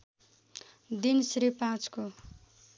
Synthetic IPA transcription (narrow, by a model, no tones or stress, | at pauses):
d̪insɾipãt͡sko